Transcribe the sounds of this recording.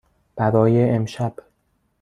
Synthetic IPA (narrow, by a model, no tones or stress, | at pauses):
b̥æɾɒːjeʔemʃæb̥